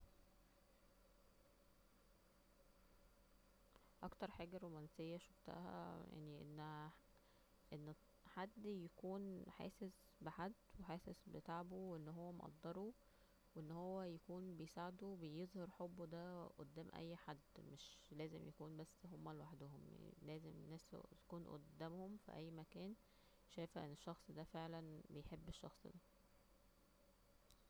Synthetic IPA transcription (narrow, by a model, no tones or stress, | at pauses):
ʔɑ̰kt̪ɑɾˤħaːɡæɾˤomænsejːæʃoft̪æ̰hæ̰ja̰ʕniʔenː | ʔenː | ħad̪ːjækuːnħæ̰ːses | beħad̪ːweħæːsesbet̪aʕboweʔenːɦowːæmo̰ʔɑ̰d̪ˤːɑɾˤu | weʔenːhowːæjækuːnbejesaʕed̪uwbejezˤhɑɾˤħobːod̪æʔod̪ːæːmʔæ̰jːħad̪ːmeʃlæːzemjækuːnbæsːɦomːælwaħd̪ohomlæːzemenːæːst̪kuːnʔo̰d̪ːæːmhomfḭʔæ̰jːmækæːn | ʃæjfæʔḛnːeʃːɑxsˤd̪æfeʕlænbejħebːeʃːɑ̰xsˤd̪æ